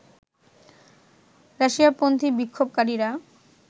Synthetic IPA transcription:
ɾaʃiapont̪ʰibikʰːobkaɾiɾa

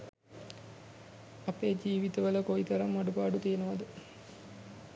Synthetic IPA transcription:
ɐpeːd͡ʒiːʋit̪əʋələkoit̪ɐɾamːaɖupaːɖut̪ijənəʋad̪ə

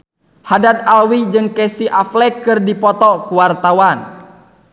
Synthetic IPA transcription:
hadat̪̚alwid͡ʒɨŋkɛsiʔaflɛkɨrdipɔt̪ɔkuwart̪awan

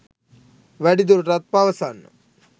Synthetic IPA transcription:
ʋɐɽid̪uɾɾɐt̪̚paʋɐsan

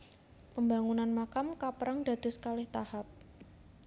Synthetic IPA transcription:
pəmbaŋunanmakamkapəɾaŋd̥a̤d̪̥ʊ̤skalɪht̪ahap̚

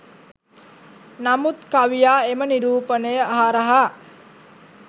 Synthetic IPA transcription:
namut̪kaʋijaːeməniɾuːpənəjəaɦaɾəɦa

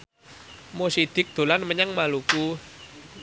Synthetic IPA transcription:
mosid̪̥ɪ̤k̚d̪̥o̤lanməɲəŋmaluku

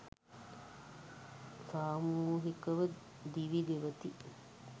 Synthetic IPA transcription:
saːmuːɦikɐʋɐ | d̪iʋid̪eʋɐt̪i

